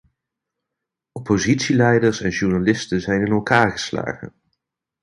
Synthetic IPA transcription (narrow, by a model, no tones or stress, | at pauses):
ɔpozitsilɛjdəɹsɛnʒuɹnalɪstəzɛjnɪnɛlˠkaːɹχəsla̰ːχə̰